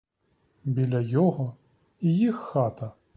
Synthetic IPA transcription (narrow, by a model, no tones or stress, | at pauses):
bʲilʲɐjɔɣɔ | ijixːat̪ɐ